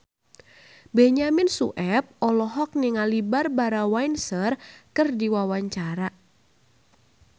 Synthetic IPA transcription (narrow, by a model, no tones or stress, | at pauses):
bɛɲamɪnsuʔɛp̚ɔlɔɦɔk̚niŋalibarbaɾawajnsərkɨrdiwawaɲt͡ʃaɾa